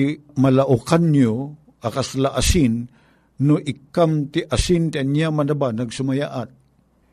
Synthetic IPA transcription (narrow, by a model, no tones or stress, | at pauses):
mɐlaʔʊkanjo | ʔakaslaʔasɪnː | ʊʔɪkamt̪ɪʔasɪnt̪ɪanjamɐdabanɐɡsʊmajaʔat̪̚